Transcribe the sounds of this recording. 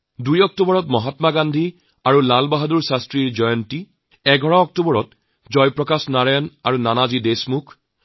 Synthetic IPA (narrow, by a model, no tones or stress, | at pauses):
dujɔk̚tobɔɹɔtmɔɦatmaɡandʱi | aɹulalbaɦaduɹsastɹiɹd͡ʒɔjɔnti | ɛɡʱɔɹaɔk̚tobɔɹɔt | d͡ʒɔjpɹɔkasnaɹajɔnaɹunanazidesmukʰ